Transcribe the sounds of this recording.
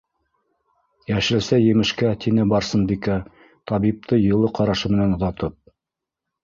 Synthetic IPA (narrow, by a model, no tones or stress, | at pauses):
jæʃɘ̆lsæjɘ̆mɘ̆ʃkæt̪ʰinɘbɑɾsɤnbikæ | t̪ɑβip̚t̪ʰɤjɤ̆lˠɤqʰɑɾɑʃɤmɘ̆nænŏðɑt̪ɤp̚